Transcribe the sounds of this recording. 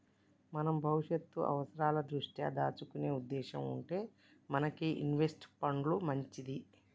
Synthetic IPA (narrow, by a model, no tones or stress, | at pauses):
mɐnɐmbʱɐwuʂɐt̪ːṵʔɐ̰ʋɐsɐɾaːlɐd̪ɾuʂʈja̰ːd̪aːt͡ʃukune̞ːud̪ːɛːʃɐmuɳʈe̞ː | mɐnɐkiʔḭnʋesʈpɐɳɖlumɐɲt͡ʃid̪i